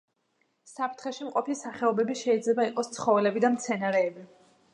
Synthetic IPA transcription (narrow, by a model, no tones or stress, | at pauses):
sapʰt̪ʰχɛʃimqʼɔpʰisaχɛɔbɛbiʃɛid̪zlɛbaiqʼɔst̪sʰχɔvɛlɛbid̪amt̪sʰɛnaɾɛːbi